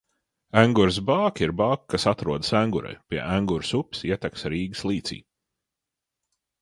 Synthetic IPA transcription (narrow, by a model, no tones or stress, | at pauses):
æŋɡuɾsbaːkiɾbaːkkːasat̪ɾuɔd̪sæŋɡuɾa̰jpʲiɛʔæŋɡuɾsupsiɛt̪ɛksɾiːɡɨslˠiːt̪sḭː